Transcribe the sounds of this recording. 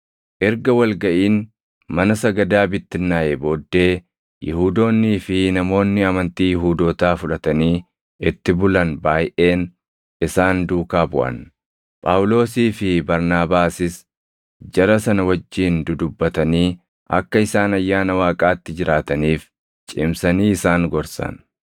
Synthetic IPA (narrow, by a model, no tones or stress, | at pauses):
ʔɛɾɡɐwɐlɡɐʔiːn | mɐnɐsɐɡɐd̪aːbɪt̪ːɪnːaːʔebo̞ːd̪ːe̞ː | jɪhuːd̪o̞ːnːiːfɪnɐmo̞ːnːɪɐmɐnt̪iːjɪɦuːd̪oːt̪aːfʊᶑɐt̪ɐniː | ɪt̪ːɪbʊlɐnbaːjʔe̞ːn | ɪsaːnd̪uːkaːbʊʔɐ̰n | pʼaːwʊlo̞ːsiːfɪbɐɾnaːbaːsɪs | d͡ʒɐɾɐsɐnɐwɐd͡ʒːiːnd̪ʊd̪ʊbːɐt̪ɐniː | ʔɐ̰kːɐɪsaːnɐjːaːnɐwaːkʼaːt̪ːɪd͡ʒɪɾaːt̪ɐniːf | t͡ʃʼɪmsɐniːɪsaːŋɡɔɾsɐ̰n